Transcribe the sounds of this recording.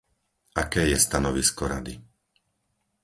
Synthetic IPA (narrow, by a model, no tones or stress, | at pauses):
ʔakɛːjɛst̪anɔʋiskɔɾad̪i